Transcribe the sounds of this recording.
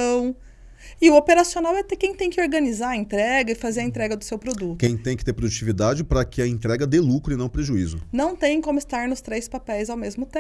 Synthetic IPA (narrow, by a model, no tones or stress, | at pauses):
ɐ̃w̃ | ɪʊopeɾasionawɛt̪ɛkẽj̃t̪ẽj̃kɪoɾɡɐnizaɐẽnt̪ɾɛɡɐɪfazeɾɐẽt̪ɾɛɡɐd̪ʊsewpɾod̪ut̪kẽj̃t̪ẽj̃kɪ̥t̪eɾpɾod̪ut͡ʃivid̪ad͡ʒɪpɾɐkɪɐẽnt̪ɾɛɡɐd̪elukɾʊɪnɐ̃w̃pɾeʒuizʊ̰nɐ̃w̃t̪ẽj̃kõmʊɪst̪aɾnʊst̪ɾejspapɛjzawmezmʊt̪ẽ